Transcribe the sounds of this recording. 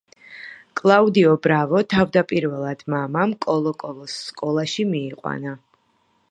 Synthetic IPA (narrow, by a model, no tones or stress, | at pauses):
kʼlˠaud̪iɔbɾavɔt̪ʰavd̪apʼiɾvɛlˠad̪̥mamamkʼɔlˠɔkʼɔlˠɔsːkʼɔlˠaʃimiːqʼwa̰na